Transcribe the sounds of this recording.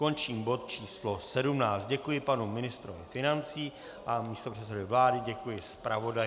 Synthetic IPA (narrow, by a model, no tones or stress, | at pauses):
ko̞nt͡ʃiːmbo̞t̪̚t͡ʃiːslo̞sɛdumnaːt͡st̪̚ɟɛkujɪpanumɪnɪst̪ɾovɪ̰fɪnant͡siː | ʔamiːst̪o̞pr̝̥ɛt̪sɛdɪvlaːdɪɟɛkujɪspɾavo̞daj